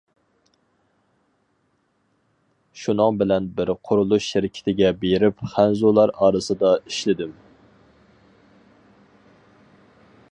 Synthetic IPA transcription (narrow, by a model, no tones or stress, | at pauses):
ʃunɨŋbɪlɛnbɪɾqʰʊɾulˠuʃːɪɾɪkʲʰɪ̥t̪ʰɪɡʲɛbeɾɪpχænzulˠɑɾɑːɾɨsɨd̪ɑiʃlɪd̪ɪm